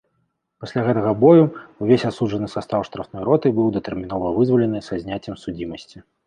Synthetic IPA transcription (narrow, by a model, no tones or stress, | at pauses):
pasʲlʲaɣɛt̪ɐɣɐbɔjuuvʲesʲat̪suʐɐnɨsast̪awʂt̪ɾɐfnɔjɾɔt̪ɨbɨwd̪ɐt̪ɛrmʲin̪ɔvɐvɨzvɐlʲɛnɨsazʲnʲat͡sʲːɛmsud͡zʲimɐsʲt͡sʲi